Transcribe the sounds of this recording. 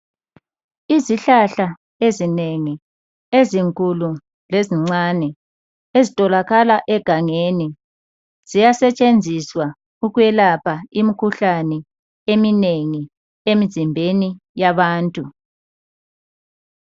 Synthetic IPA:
iziɬaɬa | ezineŋi | eziŋkʼulu | leziŋ͡ǀanɛ | ezitʼɔlaɣalaʔɛɡ̥ʱaŋeni | z̥ijasɛt͡ʃʼend͡zʱiswa | uɣwɛlapʰaimikʰuɬanɛ | emineŋi | emizimbʱenijaβaːntʼu

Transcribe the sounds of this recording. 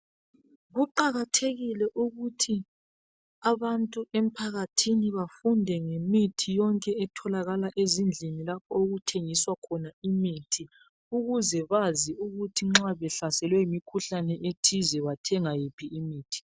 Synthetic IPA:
ɣuǃaɣatʰeɣilɛʔuɣutʰi | aβantʼuem̩pʰaɣatʰiniβafundʱɛŋemitʰijɔŋkʼɛɛtʰɔlaɣalaʔezind͡ɮʱinilap̚ʰɔoɣutʰeŋiswakʰɔnaimitʰi | uɣuzɛβaziuɣutʰiŋ͡ǁaβɛɬasɛlwɛimikʰuɬanɛʔetʰizɛβatʰɛŋajipʰiːmiːtʰi̥

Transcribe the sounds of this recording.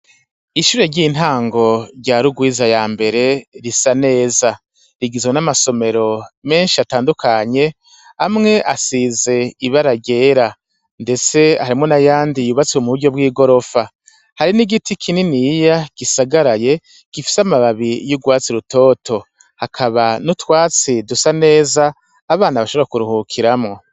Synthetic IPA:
iʃuːɾe̞ɾɟiːn̥haːŋɡo̞ɾɟaːɾuɡwiːzajaːmbe̞ɾe̞ɾisane̞ːza | ɾiɡizwenamaso̞me̞ɾo̞me̞ːnʃiataːndukʰaɲe̞ | amŋe̞ʔasize̞iβaɾaɟe̞ːɾa | nde̞t͡se̞haɾimŋo̞najaːndijuβat͡siwomuβuɾɟo̞bwiːɡo̞ɾo̞fa | haɾiniɡitikʰininijaɡ̥isaɡaɾaje̞ | ɡ̥ifi̥samaβaβijuɡwaːt͡siɾuto̞ːtʰo̞ | hakʰaβanutwaːt͡sidusane̞ːzaː | βaːnaβaʃoβoɾakuɾuhukʰiɾamŋo̞

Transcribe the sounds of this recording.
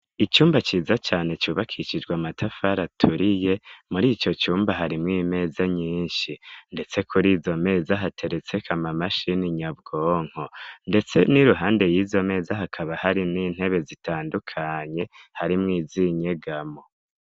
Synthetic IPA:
it͡ʃuːmbat͡ʃiːzat͡ʃaːne̞t͡ʃuːβakʰiʃid͡ʒɡwamatʰafaɾatʰuɾije̞muɾiːt͡ʃo̞t͡ʃuːmbaɦaɾimŋiːme̞ːzaɲiːnʃinde̞t͡se̞kʰuɾiːzo̞me̞ːzaɦatʰe̞ɾe̞t͡se̞kʰamamaʃiniɲab̚ɡoːŋ̥ho̞nde̞t͡se̞niɾuɦaːnde̞jiːzo̞me̞ːzaɦakʰaβahaɾiniːn̥he̞βe̞zitaːndukʰaɲe̞haɾimŋiːziɲe̞ɡamo̞

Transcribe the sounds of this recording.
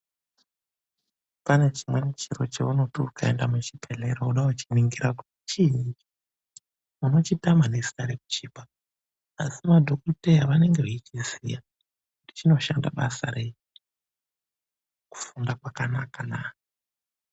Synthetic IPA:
pane̞t͡ʃimwenet͡ʃiɾo̞̰t͡ʃeunotiukaendamut͡ʃipʰeɮe̞ɾauɗaut͡ʃiniŋɡiɾakuti̥t͡ʃiii | uno̞t͡ʃitamanesi̥taɾeku̥t͡ʃiːbʱaː | simadʱokutejaʋane̞ŋɡe̞eit͡ʃizḭja | ndit͡ʃino̞ʃanda̰ɓasaɾe | ku̥fundakwakanakanaː

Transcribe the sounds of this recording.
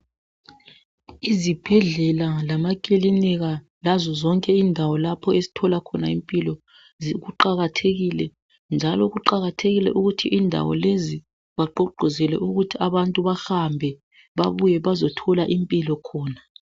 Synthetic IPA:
izib̥ʱɛɮɛlalamakʼiliniɣa | lazɔzɔŋkʼɛindʱawɔlapʰɔezi̥tʰɔlakʰɔna̰impʼilɔ | ziɣuǃaɣatʰeɣilɛ | nd͡ʒʱalɔɣuǃaɣatʰeɣilɛ̰ʔuɣutʰiʔindʱa̰wɔ̰lezi | βaǃɔɡ͡ǃʱɔzɛlɛ̰ʔuɣutʰiaβantʼuβaxambʱɛ | βaβujɛβazɔtʰɔlaʔimpʼilɔkʰɔːna

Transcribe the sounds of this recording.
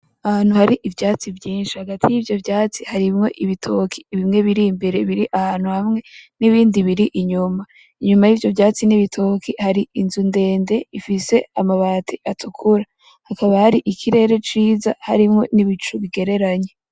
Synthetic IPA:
ahaːn̥uhaɾiʔivjaːt͡sivjiːnʃihaɡatʰijivjo̞vjaːt͡sihaɾimŋo̞ʔiβitʰo̞kʰi̥ːβimŋe̞βiɾimbe̞ɾe̞βiɾiʔahaːn̥huhamŋe̞niβiːndiβiɾiʔiɲuma | iɲumajiːvjo̞vjaːt͡siniβitʰokʰihaɾiinzunde̞ːnde̞ifise̞amaβaːtʰiʔatʰukʰuɾa | hakaβahaɾiʔikʰiɾe̞ːɾe̞t͡ʃiːzahaɾimŋo̞niβit͡ʃuβiɡe̞ɾe̞ɾaɲe̞

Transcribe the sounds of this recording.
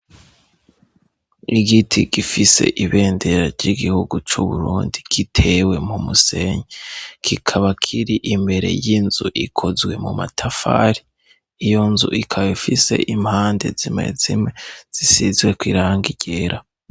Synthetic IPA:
iɡitʰiɡifise̞̰ʔiβe̞ːnde̞ɾaɾɟiɡihuɡut͡ʃuβuɾuːndiɡ̥itʰe̞we̞mumuse̞ːɲekʰikʰaβakʰiɾiʔimbe̞ɾe̞̰jinzuʔikʰo̞zɡwe̞muma̰tʰafa̰ːɾi | ijo̞nzuʔikʰaβifise̞̰ʔimhaːnde̞zimḛzimŋe̞z̥isizɡwe̞kwiɾaːŋɡiɟe̞ɾʔa

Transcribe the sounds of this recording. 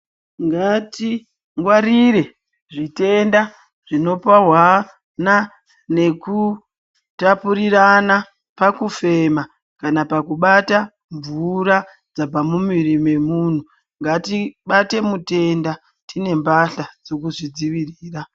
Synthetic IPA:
ŋɡati | ŋɡwaɾiɾe̞ | ʐite̞nda | ʐino̞paɦwa | na | ne̞ku | tapuɾiɾana | pakufe̞ma | kanapakuɓata | ɱvuɾa | d͡zapamumirime̞mun̤u | ŋɡatiɓate̞mute̞nda | tine̞mbaɬad͡zo̞kuʐid͡ziʋiriːra

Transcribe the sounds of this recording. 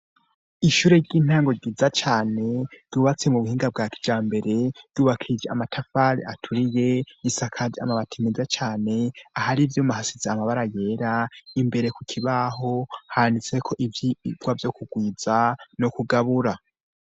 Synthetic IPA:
iʃuːɾe̞ɾɟiːn̥haːŋɡoɡizat͡ʃaːne̞d̥uβat͡se̞muβuhiːŋɡab̚ɡakʰi̥d͡ʒaːmbe̞ɾe̞d̥uːβakʰid͡ʒe̞a̰matʰafaɾḭatʰuɾije̞isakʰaa̰maβatʰimizat͡ʃaːne̞ahaɾivjoːmaɦasizeamaβaɾaje̞ːɾaimbe̞ɾe̞kukʰiβaɦo̞haandit͡se̞kʰo̞ʔivjiɡɡwavjo̞kuɡwiːz̥ano̞kuɡaβuɾa

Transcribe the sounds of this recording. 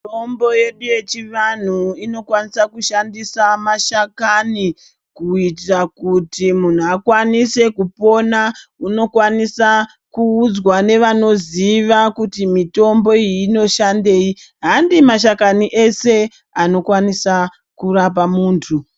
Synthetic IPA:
tombo̞je̞ɗuje̞t͡ʃiʋan̤uino̞kwanisakuʃandisamaʃakani | kuit̬rakutimun̤uakwanise̞kupo̞nauno̞kwanisa | kuːd͡zwane̞ʋano̞ziʋakutimito̞mbo̞iiːno̞ʃande̞ːiɦandimaʃ̬akaniʔe̞se̞ | ano̞kwanisa | kuɾap̬amuːntʰu

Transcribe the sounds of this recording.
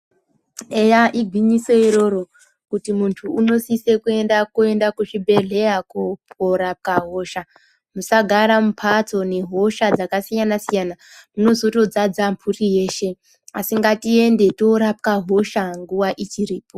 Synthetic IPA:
ejaʔiɡʱwiɲise̞iɾo̞ɾo̞ | kutimuntʰuːno̞sise̞kue̞ndakue̞ndakuʐibʱe̞ɮe̞akopoɾap̚kaɦo̞ːʃa | musaɡʱaɾamupʰat͡so̞ne̞ɦo̞ʃad͡zakasijanasijana | muno̞zo̞to̞d͡zad͡zampʰurije̞ːʃe̞ | asiŋɡatie̞nde̞to̞ɾap̚kaɦo̞ʃaŋɡuwaʔit͡ʃiriːpo

